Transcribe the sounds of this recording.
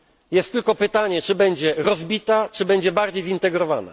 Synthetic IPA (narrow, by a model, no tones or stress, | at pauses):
jɛst̪ːɘlkɔpɘt̪aɲɛt͡ʂɘbɛɲd͡ʑɛɾɔzbʲit̪at͡ʂɘbɛɲd͡ʑɛbaɾd͡ʑejzint̪ɛɡɾɔva̰na̰